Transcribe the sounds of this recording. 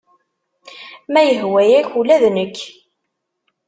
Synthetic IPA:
mæjəɦwæjæçulæðnəkː

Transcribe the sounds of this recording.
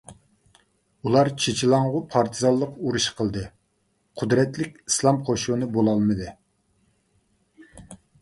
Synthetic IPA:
ulˠɑɾt͡ʃʰet͡ʃʰilˠɑŋʁʊpʰɑɾt̪ʰɨzɑlˠːəquɾuʃqʰəlˠd̪ɨ | qʰʊd̪ɾɛt̪lɪkʲislˠɑmqʰoʃunɨbolˠɑlˠmɨd̪ɨ

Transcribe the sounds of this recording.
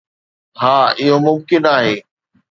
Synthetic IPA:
ɦaːɪɦomʊmkɪnaːɦeː

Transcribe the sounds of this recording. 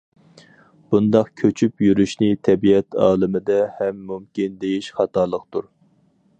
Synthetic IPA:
b̥und̪ɑqkʲʰøt͡ʃʰypjyɾyʃnɪt̪ʰɛbiɛt̪ɑ̰ːlˠɨmɪd̪ɛhɛmːumkʲind̪ejiʃχɑt̪ɑːlˠəqt̪uɾ

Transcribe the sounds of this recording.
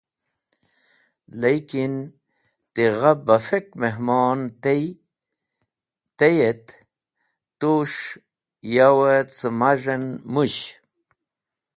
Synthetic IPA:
lejkin | t̪iʁabafekmeɦmoːnt̪ej | t̪ejet̪ | t̪uʂ | jawət͡sɨmaʐɐnmuɕ

